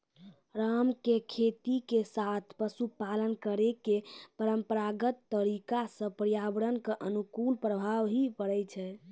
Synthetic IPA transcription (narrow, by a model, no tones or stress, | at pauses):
ɾamkekʰet̪ikesat̪ʰpəsupalənkəɾekepəɾəmpəɾaɡət̪ːəɾikasə̃pɾijabəɾənkeʔənukunpɾəbʱaʋɦipəɽɛt͡ʃʰɛ